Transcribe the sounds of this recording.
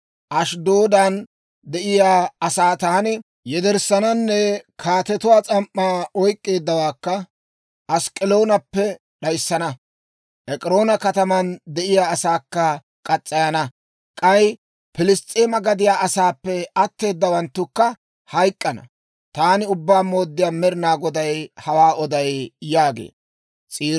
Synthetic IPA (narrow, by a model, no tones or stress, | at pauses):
ʔɐʃd̪o̞ːd̪an | d̪ɛʔɪjaːɐsaːt̪aːnɪ | jɛd̪ɛɾsɐnɐnːɛkʰaːt̪ɛt̪ʊwaːt͡sʼɐmʔːaːɔjkʼːe̞ːd̪ːɐwaːkːɐ | ʔɐskʼɪlo̞ːnɐpːɛ | ɗɐjsːɐnɐ | ʔɛkʼɾo̞ːnɐkɐt̪ɐmɐnd̪ɛʔɪjaːsaːkːɐ | kʼɐt͡sʼːɐjɐnɐ | kʼɐj | pɪlɪst̪ʼeːmɐɡɐd̪ɪjaːɐsaːpːɛɐt̪ːe̞ːd̪ːɐwɐnt̪ːʊkːɐ | hɐjkʼːɐnɐ̰ | t̪aːnɪʊbːaːmo̞ːd̪ːɪjaːmɛɾɪnaːɡɔd̪ɐjhɐwaːɔd̪ɐjjaːɡḛː | t͡sʼiː